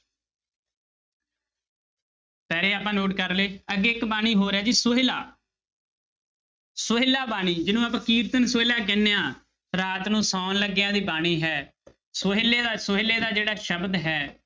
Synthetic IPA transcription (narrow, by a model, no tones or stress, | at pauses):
pɛːɾeːaːpãːnoːʈkəɾleːəɡeːɪkbaːñiːɦoːɾeaːd͡ʒiːsʊɦɪlaː | sʊɦelaːbaːɽ̃iːd͡ʒɪnũːap̬ãːkiːɾt̪ənsʊelaːk̬ɪneːãː | ɾaːt̪nũːsaːnləɡːɪjãːd̪iːbaːɽ̃iːɦɛː | sʊɦleːd̪aːsʊɦeleːd̪aːd͡ʒeːɽaːʃəbd̪ɦɛː